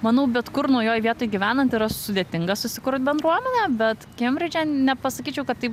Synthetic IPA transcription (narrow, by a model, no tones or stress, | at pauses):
mɑːnɐʊbʲɛt̪kʊɾnuɔjoːjʋʲiɛt̪oːjɡʲiʋʲæːnɐnt̪iːɾɐsʊd̪ʲeːt̪ʲɪŋɡɐsʊsʲɪkʊɾt̪̚bʲɛnd̪ɾuɔmʲɛnʲɛbʲɛt̪kʲɛmʲɾʲɪd͡ʒʲɛnʲɛpɐsɐkʲiːt͡ʃʲɛʊkɐt̪ːɐɪp